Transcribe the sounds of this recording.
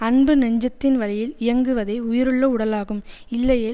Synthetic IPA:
ɐnbɯnɐɲd͡ʒɐt̪ːɪnʋɐlɐjɪlɪjɐŋɡɯʋɐðɐɪʊjɪɾɯɭːɐʊɽɐlaːɣɯmɪlːɐjeː

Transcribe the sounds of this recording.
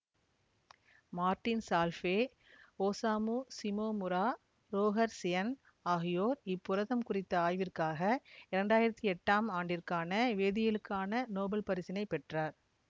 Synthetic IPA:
maːɾʈɪnsaːlfeː | oːsaːmusɪmoːmʊɾaː | ɾoːɣɐɾsɪjɐn | aːɣɪjoːɾɪpːʊɾɐðɐmkʊrɪt̪ːɐaːjʋɪrkaːɣɐɪɾɐɳɖaːjɪɾɐt̪ːiɛʈːaːmaːɳɖɪrkaːnɐʋeːðɪjɪlɯkːaːnɐnoːbɐlpɐɾɪsɪnɐɪpːɛʈraːɾ

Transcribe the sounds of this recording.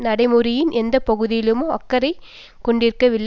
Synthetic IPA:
nɐɽɐɪmɯɾɪjɪnʔɛnd̪ɐpɐɣɯðɪjɪlɯmɯɐkːɐɾɐɪ | kɔɳɖɪɾɯkːɐʋɪɭː

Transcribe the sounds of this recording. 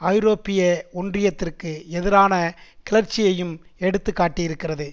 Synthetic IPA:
ɐɪɾoːpːɪjɐɔndrɪjɐt̪ːɪrkɯɛðɪɾaːnɐkɪlɐɾt͡ʃːɪjɐjɯmɛɽɯt̪ːɯkːaːʈːijɪɾɯkːɪrɐðɯ

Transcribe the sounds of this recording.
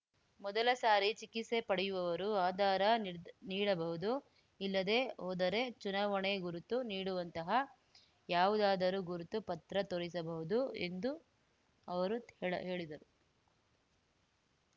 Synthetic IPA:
mɔd̪ɐlɐsaːɾit͡ʃikise̞pɐɽɛjuʋɐʋɐɾuaːd̪aːɾɐniːɽɐbɐɦud̪u | ilːɐd̪e̞ːoːd̪ɐɾe̞t͡ʃunaːʋɐɳeɡuɾut̪uniːɽuʋɐnt̪ɐɦɐ | jaːʋud̪aːd̪ɐɾuɡuɾut̪upɐt̪ɾɐt̪oɾisɐbɐɦud̪ue̞̰nd̪u | ɐʋɐɾueɭɐɦeːɭid̪ɐɾu

